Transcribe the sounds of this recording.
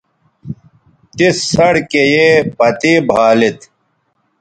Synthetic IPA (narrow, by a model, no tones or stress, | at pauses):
t̪isɐɽkejepɐt̪iːbʱaːlit̪